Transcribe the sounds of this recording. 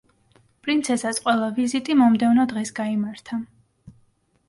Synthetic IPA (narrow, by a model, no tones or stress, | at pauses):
pʼɾint̪sʰɛsasqʼwɛlˠavizit̪ʼimɔmd̪ɛvnɔd̪ʁɛsɡaimaɾt̪ʰa